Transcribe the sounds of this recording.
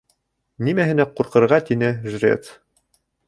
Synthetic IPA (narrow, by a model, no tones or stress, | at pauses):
nimæɦɘ̆næquɾqɤ̆ɾʁɑt̪inɘʒrʲḛt̪